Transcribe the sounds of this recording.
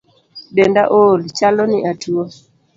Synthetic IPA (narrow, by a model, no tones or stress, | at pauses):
ɗɛndaʔolit͡ʃalɔniʔatʰuɔ